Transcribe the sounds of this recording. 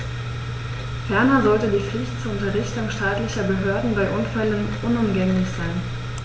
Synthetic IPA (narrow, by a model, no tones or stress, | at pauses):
fɛɐnɐzɔltədiːfɪçt͡sʊntʁɪçtʊŋʃtaːtlɪçɐbəɦøːɐdn̩baɪʔʊnfɛlənʔʊnʊmɡɛŋlɪçz̥aɪn